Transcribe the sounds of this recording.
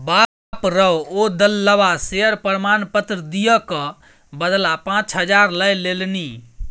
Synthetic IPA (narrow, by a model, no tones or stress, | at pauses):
ba | pɾəood̪əlːəbaseəɾpəɾmanpət̪ɾəd̪ijəkə̃ | bəd̪lapãt͡ʃɦəd͡ʒaɾləjlelni